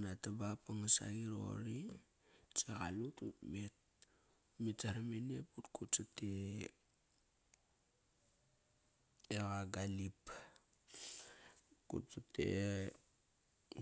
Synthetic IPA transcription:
natabapaŋasa̰ɡiɾo̰ɾi | t͡seɣa̰lututmet̚ | mit͡saɾameneputkutt͡ʃate | eɣaɡalip | kṵt̚t͡satḛ

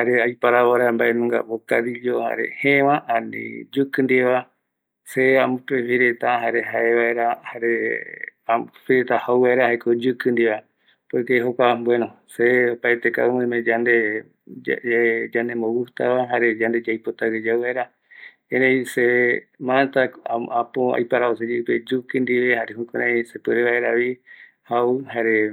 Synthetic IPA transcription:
haɾeajpaɾaβaɾamba̰ʔenũŋɡa̰βokaɾiʎoha̰ɾḛhẽʋãʔãnḭ̃d͡ʒukɨnd̪eβa | seamɨ̃pefiɾet̪aɦaɾe̞ɦaeβaeɾahaɾe | afiɾet̪ahawβaeɾahaekod͡ʒɨkɨnd̪iβa | poekeɦokʷambwenõ | seopaet̪eka̰ũmɨ̃mẽd͡ʒand̪e | d͡ʒanẽmowuht̪a̰βaɦaɾed͡ʒand̪e̞d͡ʒajpot̪aɡed͡ʒawβaeɾa | eɾẽĩsemãt̪aapoa̰jpaɾaosed͡ʒiped͡ʒukɨ̃nd̪iʋehaɾeɦukõɾẽĩsepɨɾeβaeɾaβi | hauhaɾe

